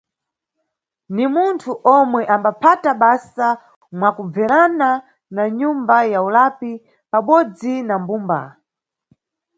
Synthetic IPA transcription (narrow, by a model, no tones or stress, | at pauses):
nimuntʰuʔɔmwɛʔambapʰataɓasa | mwakub͡vɛɾana | naɲumbajaulapi | paɓɔd͡zinambumba̰